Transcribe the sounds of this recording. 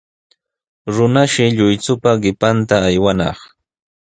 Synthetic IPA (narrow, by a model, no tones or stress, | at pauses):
ɾʊnaʃɪʎʊjt͡sʊpaɢɪpant̪aːjwanɑ̰χ